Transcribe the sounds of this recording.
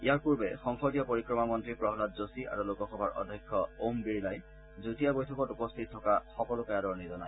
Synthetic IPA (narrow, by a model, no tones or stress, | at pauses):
ijaɹpuɹbɛ̰xɔŋkʰɔtijɔpoɹikɹɔmamɔntɹipɹɔɦɔlatzosiʔa̰ɹulokɔxɔbʱaɹʔɔ̰dʱːɔjkʰːɔombiɹilaj | zutijabojtʰɔkɔtupɔstʰit̚tʰːɔkaxɔkɔlʊkajadɔɹnizɔnaj